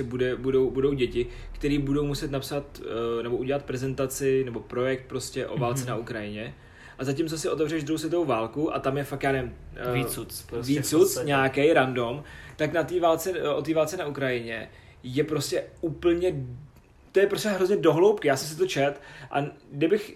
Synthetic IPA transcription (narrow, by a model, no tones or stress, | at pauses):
sɛbudɛbudowbudo̞wɟɛcɪ | kt̪ɛɾiːbudo̞wmusɛt̪napsat̪nɛbo̞ʔuɟɛlat̪̚pɾɛzɛnt̪at͡sɪnɛbo̞pɾo̞jɛk̚t̪̚pɾo̞scɛʔo̞̰vaːlt͡sɛnaʔukɾajɪɲɛ | ʔazac̬ɪmt͡sosɪʔo̞t̪ɛvr̝ɛʒd̪ɾuhows̬vjɛt̪ovowvaːlkuʔa̰t̪amjɛfak̪jaːnɛvɪm | viuviːt͡sut͡sɲaːkɛjɾando̞mt̪aknat̪iːvaːlt͡sɛʔot̪iːvaːlt͡sɛnaʔukɾajɪɲɛ | jɛpɾo̞scɛupl̩ɲɛ | t̪ojɛpɾoscʲɛɦɾo̞zɲɛdo̞ɦlowpkɪjaːsɛms̬ɪt̪ot͡ʃɛt̪ʔa̰ɡdɪbɪx